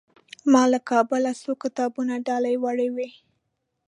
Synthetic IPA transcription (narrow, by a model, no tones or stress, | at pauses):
mɑlakʰɑbəlasokɪt̪ɑbunaɖɑlajwaɽewi